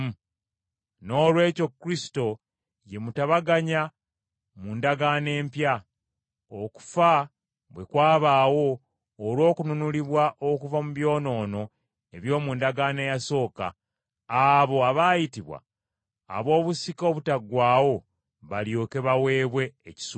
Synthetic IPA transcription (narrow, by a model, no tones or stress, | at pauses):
no̞ːlwe̞ːco̞kːɾisi̥to̞ | je̞mutaβaɡaɲa | mundaɡaːne̞ːmpja | oku̥fa | βwe̞kwaːβaːwo̞ː | lwo̞ːkununuliβwaʔokuvamuβjo̞ːno̞ːno̞ | e̞βjo̞ːmundaɡaːne̞ːjaso̞ːka̰ː | βo̞aβaːjitiβwa̰ː | βo̞ːβusiko̞ːβutaɡwaːwo̞ | βaljoːke̞βawe̞ːβwe̞ːci̥s